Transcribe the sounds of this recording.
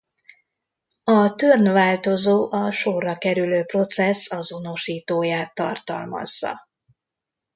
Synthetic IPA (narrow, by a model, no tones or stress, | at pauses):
ɒt̪ørnvaːlt̪o̞zoːʔɒʃorːɒkɛɾyløːpro̞t̪sɛsɒzo̞no̞ʃiːt̪oːjaːt̪ːɒ̰rt̪ɒ̰lmɒ̰zːɒ̰